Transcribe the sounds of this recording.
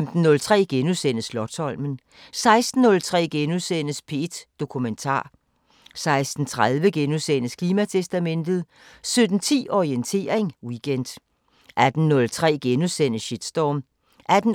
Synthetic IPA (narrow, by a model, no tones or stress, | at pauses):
md̥n̩ːɔ̽lt͡sʰʁɛ̰ːɡ̥enusen̰əslɒ̽t͡sʰɒ̽l̰mən̩ | sɑ̈ɪsd̥n̩ːɔ̽lt͡sʰʁɛ̰ːɡ̥enuðˠsen̰əspʰe̝d̥d̥o̝kʰument͡sʰɑ̰̈ː | sɑ̈ɪsd̥n̩t͡sʰʁað̞ˠʋəɡ̥enuðˠsen̰əskʰliːmæt͡sʰesd̥æmen̰d̥ð̞̩ˠ | sød̥n̩t͡sʰḭːɒʁient͡sʰe̝̰ːɐ̰eŋwiɡ̥end̥ | ʔæd̥n̩nɔ̽lt͡sʰʁɛ̰ːɡ̥enusen̰əɕid̥sd̥ɒːm | ʔæd̥n̩